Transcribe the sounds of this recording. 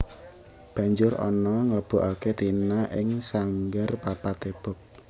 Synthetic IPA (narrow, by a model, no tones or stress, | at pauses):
b̥a̤ɲd͡ʒʊrɔ̰nɔŋələb̥ɔ̤ʔaket̪inaʔɪŋsaŋɡarpapat̪eb̥ɔ̤p̚